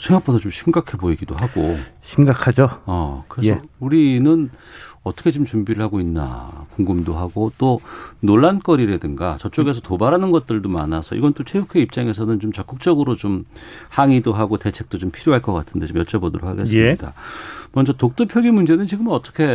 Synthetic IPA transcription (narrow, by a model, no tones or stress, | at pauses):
sʰeŋɡak̚p͈osʰʌt͡ɕomɕʰimɡakʰe̞boiɡidoɦaɡoɕʰimɡakʰad͡ʑoʌkɯɾesuɾinɯnʌt͈ʰʌkʰet͡ɕomt͡ɕumbiɾɯɭhaɡoinːa̰koŋɡɯmdoɦaɡot͈onoɭːank͈ʌɾiɾe̞dɯŋɡa̰t͡ɕʌt͡ɕ͈oɡe̞sʰʌtobaɾanɯnɡʌt̚t͈ɯɭdoma̰nasʰʌ̰ḭɡʌnt͈ot͡ɕʰeukʰe̞ip̚t͡ɕ͈aŋe̞sʰʌnɯnt͡ɕomt͡ɕʌk͈ɯk̚t͡ɕ͈ʌɡɯɾot͡ɕom | haŋidoɦaɡote̞t͡ɕʰe̞k̚t͈ot͡ɕompʰiɾjoɦaɭk͈ʌk͈atʰɯnde̞t͡ɕomjʌt͡ɕ͈ebodʌɾo̰kʰa̰ɡe̞ssɯɲida̰mʌnd͡ʑʌtok̚t͈ɯpʰjʌɡimund͡ʑe̞nɯnt͡ɕiɡɯmʌt͈ʌkʰe̞